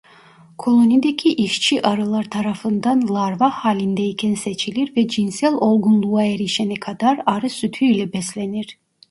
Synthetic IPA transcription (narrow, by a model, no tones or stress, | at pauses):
kʰo̞lˠonid̪ekʲʰiʔiʃt͡ʃʰiʔɑɾɯlˠaɾt̪ʰɑɾɑfɯnd̪anlˠɑɾvahaːlʲind̪ɛikʲʰɛnset͡ʃʰiliɾvɛd͡ʒinsɛlʲo̞lˠɡunlˠuːaeɾiʃenikʰad̪aɾɑɾɯsyt̪ʰyilʲɛbɛslʲeniɾ̥